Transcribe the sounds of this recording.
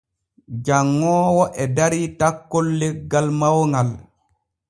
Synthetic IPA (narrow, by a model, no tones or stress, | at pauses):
d͡ʒaŋːɔːwɔʔɛdaɾitakːolːɛɡalmawŋɡal